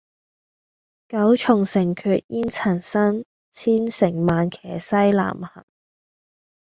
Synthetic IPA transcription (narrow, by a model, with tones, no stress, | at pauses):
kɐ˨˥wt͡ʃʰʊ˨˩ŋsɪ˨˩ŋkʰyː˧t̚jiː˥nt͡sʰɐ˨˩nsɐ˥n | t͡sʰiː˥nsɪ˨˩ŋmaː˨nkʰɛː˨˩sɐ˥jla̰ː˨˩mhɐ̰˨˩ŋ